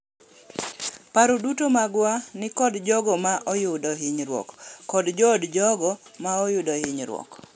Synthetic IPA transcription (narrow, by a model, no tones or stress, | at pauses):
paɾodutomaɡwanɪkɔdd͡ʒɔɡɔmaʔɔjʊdɔɦɪɲɾwɔ̰kːɔdd͡ʒɔːdd͡ʒɔɡɔmaɔjʊdɔhɪɲɾwɔ̰k